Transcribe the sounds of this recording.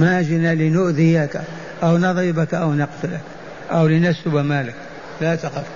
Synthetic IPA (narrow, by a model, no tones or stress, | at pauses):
maːd͡ʒɪnalɪnʊʔðɪjaka | ʔawnɑðˤibakʔawnɑqt̪ʊlak | ʔawlɪnasʊbamaːlak | lat̪aqɪf